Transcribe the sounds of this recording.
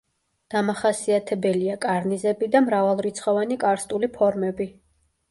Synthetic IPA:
d̪̥amaχasiat̪ʰɛbɛliakʼaɾnizɛbid̪amɾavalˠɾit̪sʰχɔvanikʼaɾst̪ʼulipʰɔɾmɛbi

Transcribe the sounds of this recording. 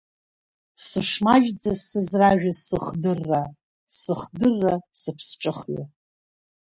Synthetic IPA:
sɨʂmaʒd͡zasɨzraʒᶣasɨχdɨrːa | sɨχdɨrːasɨpʰsʈ͡ʂʼɨχɥa̰

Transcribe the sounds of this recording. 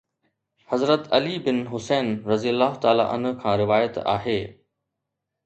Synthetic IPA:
hɐzɾət̪ɐlibɪnɦʊsɛːnɾɐziəlːaːɦʊt̪aːla̰ʔɐ̰n̤ʊ̆kʰãːɾɪʋaːjət̪a̰ːɦeː

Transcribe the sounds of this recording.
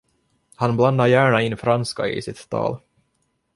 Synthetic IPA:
hanbland̪aɾjæːɳaɪnːfɾanska̰ɪ̰sɪt̪ʰːɑ̰ːl

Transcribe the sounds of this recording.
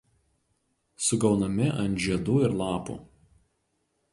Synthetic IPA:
sʊɡɒʊnɐmʲɪʔɐnt̪ʒʲiɛd̪uːɪɾlˠɑːpṵː

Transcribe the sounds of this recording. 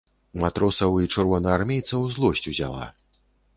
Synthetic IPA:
mat̪ɾɔsɐwit͡ʂɨrvɔnɐarmʲejt̪sɐwzlˠɔsʲt͡sʲuzʲa̰lˠa̰

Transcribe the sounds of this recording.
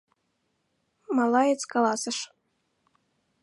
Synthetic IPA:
mɑlɑjet͡skɑlˠɑsɤ̆ʃ

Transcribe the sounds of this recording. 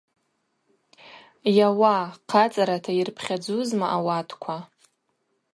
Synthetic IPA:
jawaqʰat͡sʼaɾatʰairpʰχʲad͡zuzmaʔawatʰkʷʰa

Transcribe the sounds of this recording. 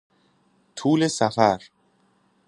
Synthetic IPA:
t̪ʰuːle̞sæfæɾ

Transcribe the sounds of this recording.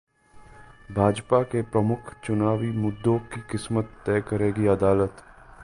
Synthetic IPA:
bʱaːd͡ʒpakepɾɐmʊkʰt͡ʃʊnaːʋimʊd̪ːõkikɪsmət̪ːɛːkəɾeːɡiɐd̪aːlət̪

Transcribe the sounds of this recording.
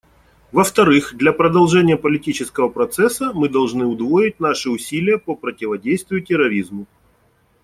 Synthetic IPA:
vəft̪ɐɾɨxd̪lʲɐpɾəd̪ɐlˠʐɛnʲɪjəpəlʲɪtʲit͡ɕɪskəvəpɾɐt̪sɛsːəmɨd̪ɐlˠʐnɨʊd̪voɪt̚ʲnaʂɨʊsʲilʲɪjəpəpɾətʲɪvɐdʲejst̪vʲɪjʊtʲɪɾɐɾʲizmʊ

